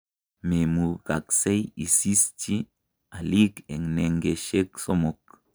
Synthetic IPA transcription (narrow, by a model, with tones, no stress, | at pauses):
me˨mu˨ka̰˨kse˦ji˨si˦st͡ʃi˦ | a˨li˦ke˨ŋne˨ŋɡe˨ʃe˦kso˦mo˨k̚